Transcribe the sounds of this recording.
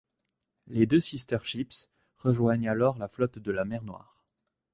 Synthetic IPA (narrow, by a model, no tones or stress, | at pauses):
led̪øsist̪ɛʁʃips | ʁəʒwaɲalɔʁlaflɔt̪d̪əlamɛʁnwa̰ːʁ